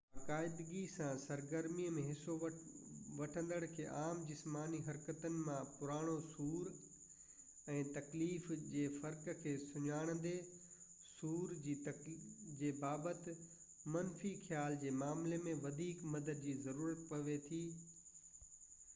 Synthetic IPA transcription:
baːkaːɪd̪ɡisãsɐɾɡəɾmiəmẽɦɪso | ʋɐʈʰə̃nd̪əɽ̃kʰḛːʔaːmd͡ʑɪsmaːniɦɐɾkət̪ənɪ̆mãpʊɾaːɽ̃osuːɾ | ɛ̃ːt̪ɐkliːfd͡ʑeːfɐɾkkʰeːsʊɲaːɽ̃ə̃nd̪e | suːɾd͡ʑiːt̪ɐd͡ʑeːbaːbət̪ɪ | mɐnfixjaːld͡ʑeːmaːmlemẽʋɐd̪ʱiːkmɐd̪əd̪̚d͡ʑiːzɐɾuːɾət̪pɐʋet̪ʰiː

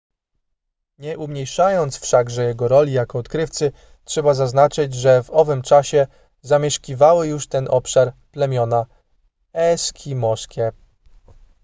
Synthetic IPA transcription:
ɲɛʔumɲejʂajɔnt̪sfʂaɡʐɛjɛɡɔɾɔlʲijakɔːt̪kɾɘft̪sɘ | tʂɛbazaznat͡ʂɘd͡ʑʐɛvɔvɘmt͡ʂaɕɛ | zamʲjɛʂkʲivawɘjuʂt̪ɛnʔɔpʂaɾplɛmʲjɔna | ɛskʲʰimɔskʲɛ

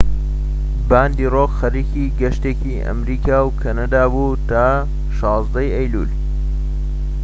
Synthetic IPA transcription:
baːnd̪iːroːkxɐɾiːkiːɡɐʃt̪eciʔɐ̰mɾiːkʰaːwkʰɐnad̪aːbuːt̪aː | ʃɑːzd̪ɐjɐjlṵːl

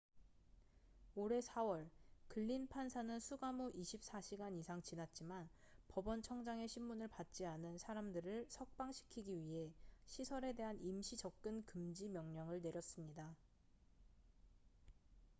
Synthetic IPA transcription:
oɾe̞sʰawʌɭkɯʎːinpʰansʰanɯnsʰuɡamoʔiɕʰip̚s͈aɕʰiɡanisʰaŋt͡ɕinat̚t͡ɕ͈iman | pʌbʌnt͡ɕʰʌŋd͡ʑaŋe̞ɕʰimːunɯɭpat̚t͡ɕ͈ianɯnsʰaɾamdɯɾɯɭsʰʌk̚p͈aŋɕʰi̥kʰiɡiɥiɦe̞ɕʰisʰʌɾe̞de̞ɦanimɕʰid͡ʑʌk̚k͈ɯnkɯmd͡ʑimjʌŋɲʌŋɯɭne̞ɾjʌs͈ɯmɲida

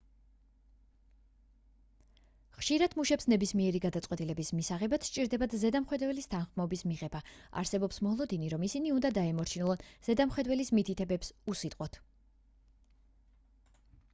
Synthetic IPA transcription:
χʃiɾad̪muʃɛpsnɛbismiɛɾiɡad̪at̪sʼwɛt̪ʼilɛbismisaʁɛbat̪ʃt͡ʃʼiɾd̪ɛbad̪zɛd̪amχwɛd̪wɛlist̪ʰanχmɔbismiʁɛbaa̰ɾsɛbɔpsmɔlˠɔd̪iniɾɔmisiniund̪ad̪aɛmɔɾt͡ʃʰinɛlˠɔnz̥ɛd̪amχwɛd̪wɛlismit̪ʰit̪ʰɛbɛpsusit̪ʼqʼwɔt̪ʰ

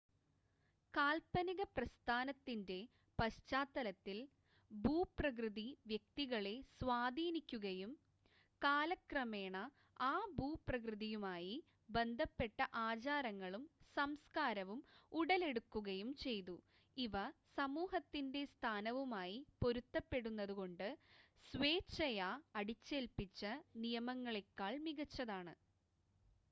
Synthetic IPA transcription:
kaːlpɐniɣɐprɐst̪ʰaːnɐt̪ːinde̞ | pɐɕt͡ɕaːt̪ːɐlɐt̪ːil | buːprɐk̬rɨðiʋjek̚t̪iɣɐɭesʋaːd̪ʱiːnikʲːuɣɐjum | kaːlɐkrɐmeːɳɐ | aːbuːprɐkrɨðijumaːji | be̞nd̪ʱɐpːe̞ʈːɐʔaːt͡ɕaːɾɐŋːɐɭumsɐmskaːɾɐʋumuɽɐle̞ɽukːuɣɐjumt͡ɕe̞jt̪u | iʋɐsɐmuːɦɐt̪ːinde̞st̪ʰaːnɐʋumaːjipo̞ɾut̪ːɐpːe̞ɽunːɐðuɣo̞ɳɖɨ | sʋe̞ːt͡ɕːɐjɐːɽit͡ɕːe̞lpit͡ɕːɐnijɐmɐŋːɐɭekːaːɭmiɣɐt͡ɕːɐðaːɳɨ

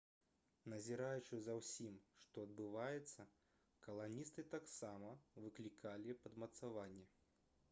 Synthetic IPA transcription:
nɐzʲiɾajut͡ʂɨzɐwsʲimʂt̪ɔɐd̪̚bɨvajɛt̪sːɐ | kɐlˠanʲist̪ɨt̪aksamɐvɨklʲikʰalʲipɐd̪mɐt̪savanʲːɛ

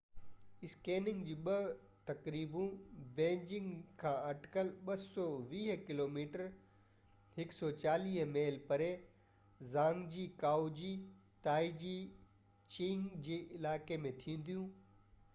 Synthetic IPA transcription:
ɪskeːnɪ̃ŋɡd͡ʑiːɓɐ | t̪ɐkɾiːbũbẽːɲd͡ʑɪ̃ŋɡkʰãːɐʈkəlɓɐsɔʋiːɦkɪloːmiːʈəɾ | ɦɪksɔt͡ɕaːliːɦmeːlpɐɾe | zãːŋɡd͡ʑiːkaːud͡ʑiː | t̪aːid͡ʑiː | t͡ɕĩːŋɡd͡ʑeːʔɪlaːkemẽt̪ʰĩːn̆d̪ijũː

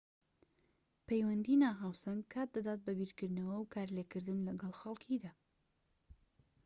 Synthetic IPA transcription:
pʰejwɐnd̪inaːɦaːwsɐnɡkʰaːt̪̚d̪ad̪aːt̪̚bɐbiɾkɨɾd̪nɐwɐwkʰaːɾleːkɨɾd̪ɨnlɐɡɐlˠxɐlˠkʰid̪aː

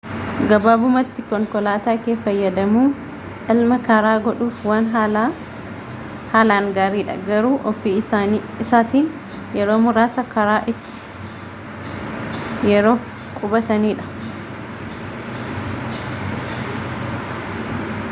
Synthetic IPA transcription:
ɡɐbaːbʊmɐt̪ːɪkɔŋkɔlaːt̪aːkeːfɐjːɐd̪ɐmuː | ʔɐlmɐkɐɾaːɡɔᶑuːfwaːnɦ | haːlaːŋɡaːɾiːᶑɐ̰ɡɐɾuːʔɔfiːa | ɪsaːt̪iːn | jɛɾoːmʊɾaːsɐkɐɾaːʔɪt̪ːɪ̥ | jɛɾo̞ːf | kʼʊbɐt̪ɐniːᶑɐ̥

